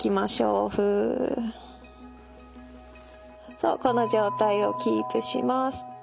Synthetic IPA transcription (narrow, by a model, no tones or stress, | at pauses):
kʲimaɕo̰ːɸɯ̟ | so̞̰ːko̞no̞ʑo̞ːt̪aio̞̰kʲiːpɯ̟ɕḭmasɨ̥